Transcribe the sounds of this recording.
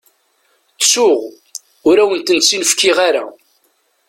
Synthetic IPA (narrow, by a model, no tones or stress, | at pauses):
θsʊʁ | ʊɾæwənt̪ənsinəfkɪʁaɾæ̰